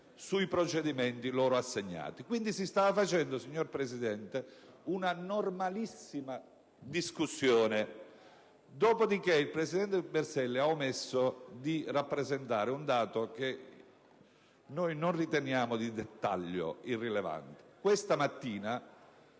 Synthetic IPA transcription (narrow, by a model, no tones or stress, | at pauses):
suipɾot͡ʃed̪imɛnt̪iloːɾoasːeɲːa̰ːt̪ikwind̪isist̪aːvafat͡ʃɛnd̪osiɲːorpɾesid̪ɛnt̪e | unanormalisːima | d̪iskusːjoːne | d̪ɔːpod̪ikeilpɾesid̪ɛnt̪ebɛrsɛlːeaomesːod̪irapːɾezent̪aːɾeund̪aːt̪ok̟e | nojnonrit̪enjaːmod̪id̪et̪ːa̰ʎːo̰irːileva̰nt̪e̥kwest̪amat̪ːiːna